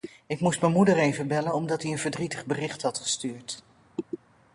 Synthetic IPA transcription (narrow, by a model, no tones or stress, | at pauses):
ɪkmustmɛnmudərejvəbɛlənɔmdɑtiənvəɹdritəχbərɪχtɦɑtχə̥styːɹt